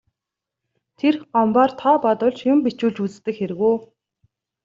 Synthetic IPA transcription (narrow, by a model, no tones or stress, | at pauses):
t̪ʰerɢɔmpaːrt̪ʰɔːpɔt̪ʊ̆ɮt͡ɕjʊmpit͡ɕuːɮt͡ɕut͡st̪ɘ̆kxeɾɘ̆ɣuː